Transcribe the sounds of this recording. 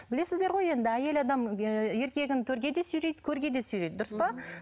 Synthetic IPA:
bɪle̞sɪzd̪eɾʁo̞je̞nd̪ɪæje̞lɑd̪ɑmje̞ɾkʲe̞ɡʲɪnt̪ʲʰɵɾɡʲe̞d̪e̞syjɾejd̪kʲʰɵɾɡʲe̞d̪e̞syjɾejd̪̚d̪ʊɾəspɑ

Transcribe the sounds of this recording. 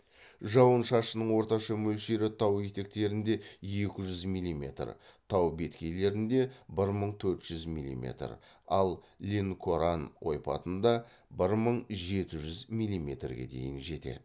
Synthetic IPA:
ʒɑwənʃɑʃənəɴwo̞ɾt̪ɑʃɑmɵlʃe̞ɾɪt̪ʰɑwet̪e̞k̚t̪e̞ɾɪnd̪e̞je̞kʲɪʒʏzmijlʲˠːime̞̰t̪rt̪ʰɑwbe̞t̪kʲʰe̞jle̞ɾɪnd̪e̞bɪɾməɴt̪ʰɵɾt̪ʒ̥ʏzmḭlʲˠḭmʲe̞̰t̪r | ɑlˠ | lʲeŋkʰoɾanwo̞̰jpɑ̰t̪ənd̪ɑ | bɪɾməɴʒe̞t̪ɪʒʏzmijlʲˠːimʲe̞̰t̪rɡʲe̞̰d̪e̞̰jɪnʒe̞t̪e̞̰d̪ɪ

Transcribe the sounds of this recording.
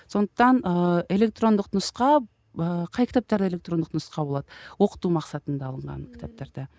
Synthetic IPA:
so̞nd̪əq̚t̪ɑnəe̞lek̚t̪ro̞nd̪əqnʊsqɑ | əqʰɑjkʲʰt̪ap̚t̪ɑɾd̪e̞le̞k̚t̪rond̪əq̪nʊsqɑbo̞lˠɑd̪əwo̞qə̥t̪umɑqsɑt̪ənd̪ɑːlˠəɴʁɑ̰nkʲʰɪ̥t̪ʰap̚t̪ɑɾd̪ə

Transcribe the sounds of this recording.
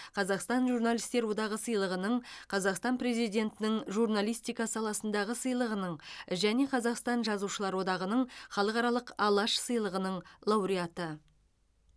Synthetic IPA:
qʰɑzɑqst̪ɑnʒurnalˠijst̪e̞ɾwo̞d̪ɑʁəsəjlˠəʁənəɴqʰɑzɑqst̪ɑnpre̞zijd̪ʲe̞nt̪ɪnɪŋʒurnalˠijst̪ijkɑsɑlˠɑsənd̪ɑʁəsəjlˠəʁənəɴʒæne̞qʰɑzɑqst̪ɑnʒɑzuʃəlˠɑɾwo̞d̪ɑʁənəɴχɑlˠəqɑɾɑlˠəqɑlˠɑʃsəjlˠəʁənəɴlˠɑwɾijat̪ə

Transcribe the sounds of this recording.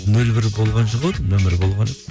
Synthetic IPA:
nɵlbɪɾbo̞lˠʁɑnʃəʁəd̪nɵmɪɾbo̞lˠʁɑn

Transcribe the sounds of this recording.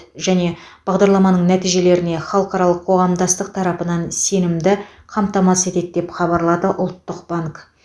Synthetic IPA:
ʒæne̞b̥ɑʁd̪ɑɾlˠɑmɑnəɴnæt̪ijʒe̞le̞ɾɪne̞χɑlˠəqɑɾɑlˠəqʰːo̞ʁɑmd̪ɑst̪əq̚t̪ʰɑɾɑpənɑnse̞nɪmd̪ɪ | qʰɑmt̪ɑmɑse̞t̪e̞d̪d̪e̞pχɑbɑɾlˠɑd̪əʔʊlˠt̪ːəqb̥aŋk

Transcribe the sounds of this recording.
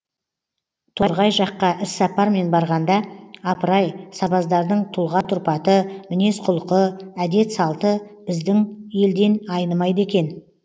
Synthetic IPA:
t̪ʰo̞ɾʁɑjʒɑqːɑʔɪsːɑpɑɾme̞nbɑɾʁɑnd̪ɑɑpəɾɑjsɑbɑzd̪ɑɾd̪əɴt̪ʰʊlˠʁɑt̪ʰʊɾpɑt̪əmɪne̞sqʰʊlˠəqəæd̪e̞t̪sɑlˠt̪ə | bɪzd̪ɪŋje̞ld̪e̞nɑjnəmɑjd̪əe̞kʲe̞n

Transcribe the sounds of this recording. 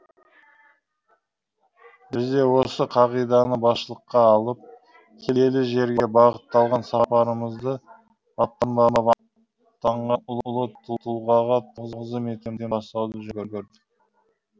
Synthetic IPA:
bɪzd̪e̞wo̞səqʰɑʁijd̪ɑnəbɑsʃəlˠəqːɑːlˠəp̚ | kʲʰee̞lɪʒe̞ɾɡʲe̞bɑʁət̪ːɑlˠʁɑnsɑpɑɾəməzd̪ə | ɑt̚t̪ːɑnd̪ɑnɑpɑ | t̪ːɑɴʁɑʊlˠʊlˠət̪ʰut̪ʰulˠʁɑʁɑt̪ʰəzəʁzəmek̪ʲemd̪eɑst̪ɑwd̪əʒʏɡʲɪɾɡʲeɾd̪ɪk

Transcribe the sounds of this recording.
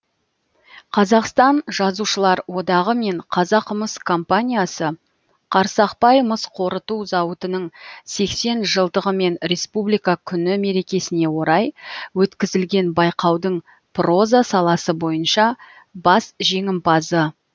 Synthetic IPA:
qʰɑzɑqst̪ɑnʒɑzuʃəlˠɑɾwo̞d̪ɑʁəme̞ɴqʰɑzɑqəməskʰo̞mpanʲijasə | qʰɑɾsɑqpɑjməsqʰo̞ɾət̪uzɑwət̪ənəɴse̞kse̞nʒəlˠd̪əʁəme̞nɾe̞spublijkakʲʰʏnɪme̞ɾe̞kʲe̞sɪne̞wo̞ɾɑjwɵt̪kʲɪzɪlɡʲe̞nbɑjqɑwd̪əɴ | pro̞zasɑlˠɑsəbo̞jənʃɑ | bɑsʒe̞ŋɪmpɑzə

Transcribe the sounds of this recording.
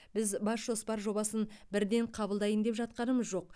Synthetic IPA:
bɪzbɑsʒo̞spɑɾʒo̞bɑsənbɪɾd̪e̞ɴqʰɑbəlˠd̪ɑjənd̪e̞pʒɑt̪̚qɑnəməzʒo̞q̚

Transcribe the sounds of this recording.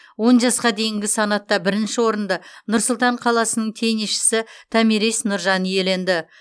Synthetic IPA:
wo̞nʒɑsqɑd̪e̞jɪŋɡʲɪsɑnɑt̪ːɑbɪɾɪnʃɪwo̞ɾənd̪ɑnʊɾsʊlˠt̪ɑɴqʰɑlˠɑsənəɴt̪ʰe̞niʃɪ̥sɪt̪ʰæmiɾisnʊɾʒɑnje̞le̞nd̪ɪ

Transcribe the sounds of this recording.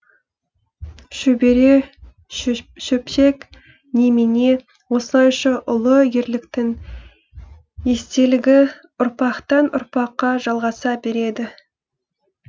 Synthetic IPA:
ʃɵbe̞ɾe̞ | ʃɵpʃe̞k | nemene̞ | wo̞səlˠɑjʃɑʔʊlˠəje̞ɾlɪkt̪ɪŋ | e̞st̪e̞lɪɡʲɪ | ʊɾpɑqt̪ɑnʊ̰ɾpɑqːɑʒɑlˠʁɑsɑbe̞ɾe̞d̪ɪ

